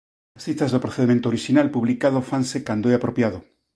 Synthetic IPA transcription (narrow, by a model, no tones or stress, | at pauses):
asθit̪azðopɾoθeðimẽnt̪oɾiʃinalpuβlikaðofansekand̪oeapɾopjað̞o